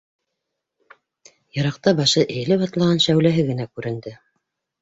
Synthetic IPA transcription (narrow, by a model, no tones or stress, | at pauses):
jɤ̆ɾɑq̚t̪ɑbɑʃɤʔɘ̆jɘ̆lɘpɑt̪lˠɑʁɑnʃæwlæɦɘɡɘ̆nækʉɾɘ̆nd̪ɘ